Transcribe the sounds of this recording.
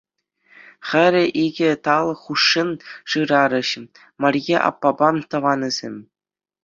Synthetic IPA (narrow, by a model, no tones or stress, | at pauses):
χʲɘ̆ɾʲɘ̆ʔiɡʲɘ̆t̪ɑlˠχuʂːɯnʂɯɾɑɾɤ̆ɕ | mɑrʲjeʔɑ̰pːɑbɑmt̪ɤ̆ʋɑnʲɤ̆z̥ʲemʲ